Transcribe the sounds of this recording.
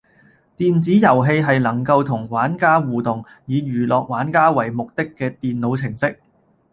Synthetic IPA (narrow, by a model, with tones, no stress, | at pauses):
t̪iː˨nt͡siː˨˥jɐ˨˩wɦe˧jɦɐ˨jlɐ˨˩ŋkɐ˧wt̪ʰʊ˨˩ŋwaː˨˥nkaː˥wuː˨t̪ʊ˨ŋ | jiː˨˧jyː˨˩lɔː˨k̚waː˨˥nkaː˥wɐ˨˩jmʊ˨k̚t̪ɪ˥kːɛː˧t̪iː˨nlo˨˧wt͡sʰɪ˨˩ŋsɪ˥k̚